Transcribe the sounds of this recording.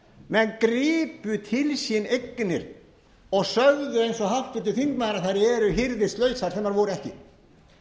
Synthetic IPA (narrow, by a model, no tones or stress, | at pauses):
mɛnːkɾiːpʏt̪ʰɪlsɪnejknɪɾ̥ | ɔɣsœɣðʏejnsɔɦaft̪ʏt̪ɪlθiŋkmaðɾaðθaɾɛɾʏɦɪɾðɪst̪lœːɥsaɾ̥θɛːmaɾvoːwɾʏɛhcɪ̰